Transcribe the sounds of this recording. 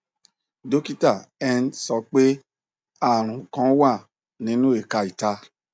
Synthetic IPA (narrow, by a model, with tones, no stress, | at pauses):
do˦ki˦ta˦˨ɛ˧nsɔ˧k͡pe˦ | a˦˨ɾ̃ũ˨kã˨˦wa˦˨ | nĩ˨˦nũ˦e˦˨ka˧i˨ta˧˦